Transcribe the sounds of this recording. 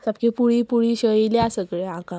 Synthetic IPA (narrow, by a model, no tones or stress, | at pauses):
sap̚kepuɽipuɽiɕəiljasəkɭeãka